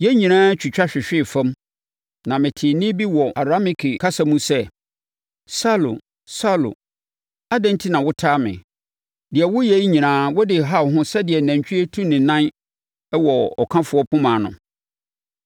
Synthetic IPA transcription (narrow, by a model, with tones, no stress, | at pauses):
jɛ˦ɲĩ˨nãː˦t͡ɕʰᶣu˨t͡ɕᶣa˦ɕᶣɪ˨ɕᶣɪ˦˨fã˦m | nã˨mɪ̃˨tʰɪ˨nɪ̃˦bi˦wɔ˨a˨ɾa˦mɪ̃˨kʰi˨kʰa˦sa˦mũ˦sɛ˦ | sa˦lo̰˨ | sa˦lo̰˨ | a˦dɛ̃˦n˦tʰi˦nã˨wʊ˦tʰaː˦mɪ̰̃˨ | dɪ˨ɛ˨wʊ˦jɛ˨i˦ɲĩ˨nãː˨˦wʊ˦dɪ˨ɦa˦˨ɦʊ̃˦sɛ˦dɪ˨ɛ˨næ̃˨ɲ˨t͡ɕᶣʰi˦e˦tʰũ˦nɪ̃˨nã˦n˦ | wɔ˨ɔ˨kʰã˦fʊ˨˦ɔ˦pʰʊ̃˦mãː˨nʊ̰̃˨